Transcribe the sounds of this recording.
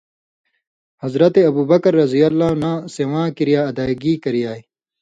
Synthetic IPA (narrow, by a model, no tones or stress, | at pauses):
hɐzɾɐt̪eɐbuːbɐkɐɾːɐzijɐlːaːnãːsewãːkiɾijaːɐd̪aːɡiːkɐɾijaːi